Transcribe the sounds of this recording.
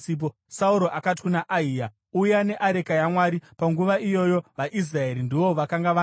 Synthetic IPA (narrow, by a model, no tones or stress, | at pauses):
p̬o | sauɾo̞ʔakat̬i̥kunaʔaiːja | ujane̞ʔaɾe̞kajamwaːɾipaŋɡuʋaijo̞jo̞ʋaʔis̬raeɾindiʋo̞ʋakaŋɡaʋa